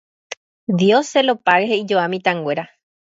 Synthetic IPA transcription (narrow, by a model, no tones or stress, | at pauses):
d̪joselopaɾeheid͡ʒoamĩt̪ãŋɡwe̞ɾa